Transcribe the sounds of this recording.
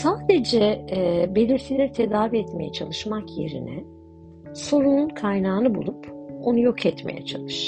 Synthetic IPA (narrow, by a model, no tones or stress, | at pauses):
saːd̪e̞d͡ʒɛbe̞lʲiɾt̪ʰilʲɛɾit̪ʰe̞d̪aːviɛt̪me̞̰jɛt͡ʃʰalˠɯʃmakje̞̰ɾḭnɛ | so̞ɾununkʰajnaːnɯbṵlˠupo̞nujo̞kʰɛt̪me̞̰jɛ̰t͡ʃʰa̰lˠɯʃ